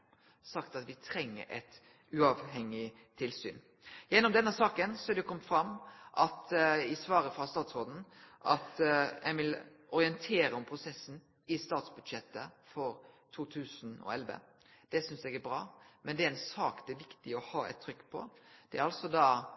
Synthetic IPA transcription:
sɑkt̪ɑt̪ʋɪt̪ʰɾɛŋːə̰ɾʔɛ̰t̪ | ʉɑʋhɛŋːɪ | t̪ʰɪlsy̰ːn | jɛnːɔmd̪ɛnːəsɑːkənsɔæɾd̪ɛjʊkʰɔmt̪fɾɑmːʔɑt̪ɪsʋɑːɾəfɾɑst̪ɑːt̪sɾoːd̪n̩ʔɑt̪jʔɛʋɪlʔɔɾɪənt̪ʰeːɾəɔmpʰɾʊsɛsːn̩ | ɪst̪ɑːt̪sbʉd̪ʃɛt̪ːəfɔɾt̪ʰuːt̪ʰʉːsnɔ̰ɛlʋə̰ | d̪̥ɛsʏnsɛɡæɾbɾɑ̰ːmɛnd̪ɛæɾɛnsɑːkd̪ɛæɾʋɪkt̪ɪɔhɑːɛ̰t̪ʰːɾʏkːpʰɔ̰d̪̥ɛæɾɑlsɔd̪ɑ

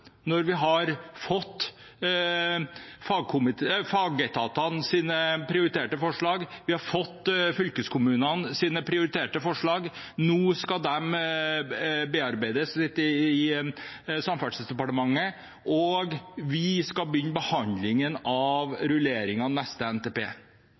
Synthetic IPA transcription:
nɔɾʋɪɦɑɾfɔt̪ː | fɑːɡ̚kʰʊmɪt̪ʰːfɑːɡɛt̪ʰɑːt̪ɑnsiːnəpʰɾɪʊɾɪt̪ʰeːʈəfɔʂɭɑːɡʋɪhɑɾfɔt̪ːfʏlkəskʰʊmʉːnɑnsiːnəpʰɾɪʊɾɪt̪ʰeːʈəfɔʂɭɑːɡnuːskɑd̪ɛm | beːɑɾbæɪd̪əssɪt̪ːəɪ | sɑmfæɖssd̪ɛpɑʈəmɑŋːə | ʔɔɡʋɪskɑbəjʏnːbəhɑnd̪lɪŋənɑʋɾʉleːɾɪŋɑnɛst̪əɛnt̪eːpḛː

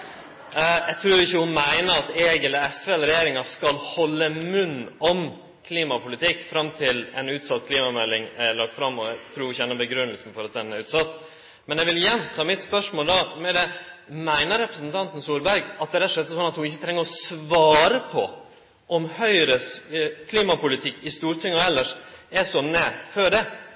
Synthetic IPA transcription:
jæɡt̪ʰɾʉːɾɪçːəhʊnmæɪnəɾɑt̪eːɡɛləɛsʋɛlɾɛjeːɾɪŋɑʂkɑlhɔlːəmʉnːɔm | kʰliːmɑpʊlɪt̪ʰɪkːfɾɑmt̪ʰɪlɛ̰nʉːt̪sɑt̪ːkʰliːmɑmɛlːɪŋælɑk̚t̪fɾɑmːɔt̪ʰɾʉːɾhʊɪçɛnːəbəɡɾʉnːəlsn̩fɔɾɑt̪̚d̪ɛnːæɾʉːt̪sɑt̪ː | mɛnɛʋɪlɪjɛnːt̪ʰɑːmɪt̪spœʂmoːld̪ɑmɛd̪ɛmæɪnəɾɾɛpɾəsənt̪ʰɑnt̪n̩suːɾbæɾɡɑt̪̚d̪ɛɾɛt̪ːʂɛt̪ːəsɔnːɑt̪hʊnɪçːət̪ʰɾɛŋːəɾɔsʋɑːɾəpʰɔ̰ | ʔɔmhœʏɾəkʰliːmɑpʊlɪt̪ʰɪkːɪst̪uːɾt̪ʰʏŋːɔɛlːəʂɛʂɔnɛːføɖɛ

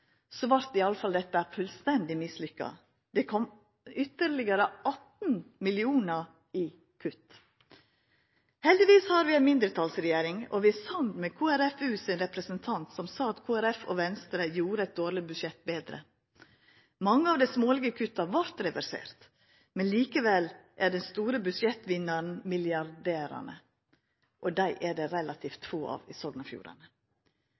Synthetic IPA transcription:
soʋɑɾt̪ɪɑləfɑld̪ɛt̪ːəæːɾfʉlst̪ɛnd̪ɪmɪslʏkːɑ̰ | d̪̥ɛkʰɔm | ʏt̪ːəɾlɪɡəɾəɑt̪nmɪlɪuːnəɾ | ɪ | kʰʉt̪ː | hɛld̪ɪʋiːshɑɾʋɪɛnmɪnd̪ɾət̪ʰɑlsɾɛjeːɾɪŋɔ̰ʋɪæsɑnd̪mɛkʰuːæɾɛfʉːsɪnɾɛpɾəsənt̪ʰɑnt̪sɔmsɑːɑt̪kʰuːæɾɛfɔ̰ʋɛnst̪ɾəjuːɾəɛɪt̪̚d̪oːɾɭɪbʉd̪ʃɛt̪̚beːd̪ɾə̰ | mɑŋːəɑːʋd̪ɛɪsmoːlɪɡəkʰʉt̪ːɑʋɑɾt̪ɾɛʋæɾsḛːɾt̪ | mɛnliːkəʋɛlʔæɖɛnst̪uːɾəbʉʃjɛt̪ːʋɪnːɑɾn̩mɪljɑɾɖeːɾɑ̰ɳə̰ | ʔɔd̪æɪʔæɖɛɾɛlɑt̪ʰiːft̪foːɑ̰ːʋɪsɔɡ̪nɑfjṵːɾɑ̰nə

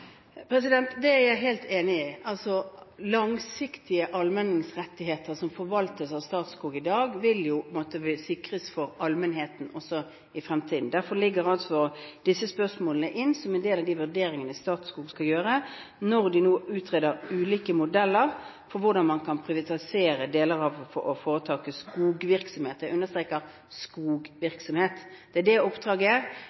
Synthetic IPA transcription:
pʰɾɛsɪd̪ɛnt̪d̪ɛæɾjæɪɦeːlt̪ʰeːnɪɪɑlsɔlɑŋsɪkt̪ʰɪəʔɑlmɛnɪŋsʁɛt̪ːɪɦeːt̪əɾsɔmfɔɾʋɑlt̪əsɑʋst̪ɑːt̪skuːɡɪd̪ɑːɡʋɪljʊmɔt̪əbɪsɪkʁəsfɔɾɑlmənɦeːt̪n̩ɔsːɔ | ɪfɾɛmt̪ʰiːd̪n̩d̪æɾfɔlɪɡːəɾɑlt̪ʋɔʁd̪̥ɪsːəspœʁsmoːlənəʔɪnːsɔmɛnd̪eːlɑʋd̪iːʋʉʁd̪eːɾɪŋənəɪst̪ɑːt̪skuːɡskɑljøːɾənɔʁd̪ɪnoːʉːt̪ʰʁeːd̪əɾʉːliːkəmʊd̪ɛlːəɾ | fɔɾʋʊɾd̪ɑnmɑnkʰɑnpʰʁɪʋɪt̪ɑɪseːɾəd̪eːləʁɑʋfɔɔfoːʁət̪ʰɑːkəskuːɡʋɪɾksɔmheːt̪d̪ɛʔʉnːəʁst̪ʁeːkəɾ | skuːɡʋɪɾksɔmheːt̪d̪̥ɛæd̪ɛʊpd̪ʁɑːɡə

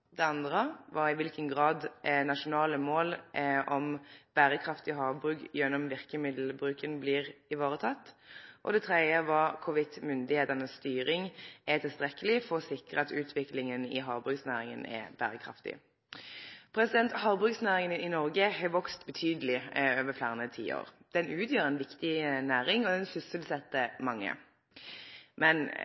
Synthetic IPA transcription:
d̪ɛɑnd̪ʁəʋɑɪʋɪlkənɡʁɑːd̪nɑʃʊnɑːləmoːlʔɔmb̥æːɾəkʰɾɑft̪ɪɔɦɑːʋbʁʉːkjɛnːɔmʋɪʁkəmɪd̪l̩bɾʉːkənblɪːʁɪʋɑːɾət̪ʰɑt̪ːʔɔ̰d̪ɛt̪ʰɾɛd̪ɪəʋɑkʰʊʋɪt̪mʏnd̪ɪheːt̪ɑnəsst̪yːɾɪŋɛt̪ʰɪlst̪ʁɛkːəlɪfɔʁɔsɪkʁəɑt̪ʉːt̪ʰʋɪklɪŋənɪ̰ɦɑːʁbʁʉksnæːʁɪŋənɛ̰b̥æ̰ːʁəkʰʁɑ̰ft̪ɪ̰ | pʰɾɛsɪd̪ɛnt̪hɑːʁbʁʉɡsnæːʁɪŋənɪnɔʁɡəhɛʋɔkst̪bət̪ʰyːd̪əlɪøːʋəflæːʁənət̪ʰḭːo̰ːʁd̪̥ɛnʉːt̪ʰjøːɾɛnʋɪkt̪ɪnæːɾɪŋɔd̪ɛnsʏsəlsɛt̪ːəmɑŋːə̰ | mɛn

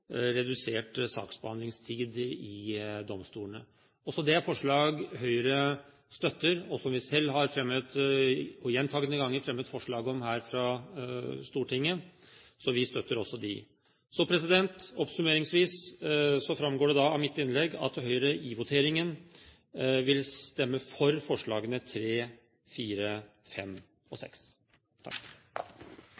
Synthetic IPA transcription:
ɾɛd̪ʉseːʈsɑ̰ːksbəhɑnd̪lɪŋst̪ʰiːd̪ɪd̪ɔmst̪uːəɳə | ɔsɔd̪ɛæɾfɔʂɭɑːɡɦœʏɾə | st̪œt̪ːəɾɔsɔmʋɪsɛlːɦɑɾfɾɛmːət̪ | ɔjɛnt̪ʰɑːɡənəɡɑŋːəɾfɾɛmːət̪fɔʂɭɑːɡɔmɦæːɾfɾɑ | st̪uːʈʰɪŋːəsɔʋɪst̪œt̪ːəɾɔsːɔd̪ɪ | sɔpʰɾɛs̬ɪd̪ɛnt̪ɔpsʉmeːɾɪŋsʋiːssɔfɾɑmːɡoːɖɛd̪ɑɑʋmɪt̪ːɪnlɛɡɑ̰t̪hœʏɾəʔiʋʊt̪ʰeːɾɪŋən | ʋɪlst̪ɛmːəfɔɾfɔʂɭɑːɡənət̪ʰɾeː | fiːɾə | fɛ̰m | ɔ̰sɛ̰ks | t̪ʰɑ̰k

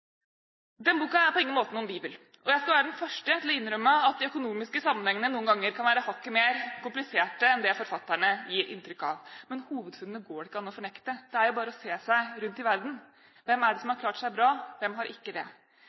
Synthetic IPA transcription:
d̪ɛnbuːkɑæɾpɔɪŋənmoːt̪ənuːmbiːbəl | ʔɔjæɪskɑlʋæːɾəd̪nfœʂʈət̪ɪlɔɪnːɾœmːəɑt̪̚d̪ɪœkʊnuːmɪskəsɑmːənhɛŋːənənuːənɡɑŋːəɾkʰɑnʋæːɾəhɑkːəmeːɾkʰʊmplɪseːʈəɛnd̪ɛfɔɾfɑt̪ːæɳəjiːɾʔɪ̰nt̪ɾʏkːɑ̰ʋmɛnhuːʋəd̪fʉnd̪nəɡoːɾɪkːəɑnːɔfɔɳɛkt̪əd̪̥ɛæɾjʊbɑːɾəɔseːsæɪɾʉnt̪ɪʋæɾd̪n̩ | ʋɛmːæɖɛsɔmhɑɾkʰlɑːʈʂæɪbɾɑːʋɛmɦɑɾʔɪkːəd̪ɛ̰

